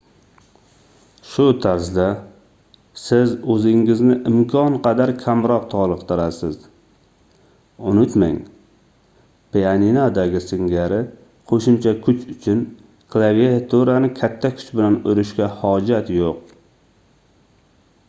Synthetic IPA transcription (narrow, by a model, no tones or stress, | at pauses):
ʃʊt̪ʰaɾzd̪a | sɪzɵzɪŋɪznɪʔɪmkʰɒnqʰɑd̪aɾkʲʰamɾɒqt̪ʰɒlˠɨqt̪ɨɾasɪz | ʊnʊt̪ma̰ŋ | pʰeaninad̪aɡʲɪsɪŋɡʲaɾɪ | qʰoʃʊmt͡ʃʰakʲʰʊt͡ʃʰʊt͡ʃʰʊn | kʰlˠaviat̪ʰuɾanɪkʲʰat̪ʰːakʲʰʊ̥t͡ʃbɪlanʊɾʊʃkʲahɒd͡ʒat̪joq